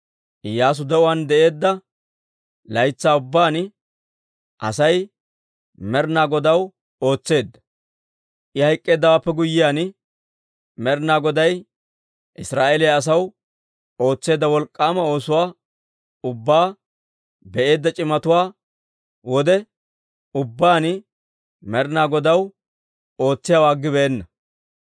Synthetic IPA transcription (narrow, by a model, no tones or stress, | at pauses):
jaːs̬ʊd̪ɛʔʊwaːnd̪ɛʔe̞ːd̪ːɐ | lɐjt͡sːaːʊbːaːn | ʔɐ̰sɐj | mɛɾnaːɡɔd̪ɐw | o̞ːt͡sːe̞ːd̪ːɐ̥ | ʔɪhɐjkʼːe̞ːd̪ːɐwaːpːɛɡʊjːɪjaːn | mɛɾnaːɡɔd̪ɐj | ʔɪsɾaːʔelɪjaɐs̬ɐw | o̞ːt͡sːe̞ːd̪ːɐwɔlkʼːaːmɐo̞ːsʊwaː | ʊbːaː | bɛʔe̞ːd̪ːɐt͡ʃʼɪmɐt̪ʊwaː | wɔd̪ɛ | ʊbːaːnɪ | mɛɾnaːɡɔd̪ɐw | o̞ːt͡sːɪjaːwaːɡːɪbɛʔɛnːɐ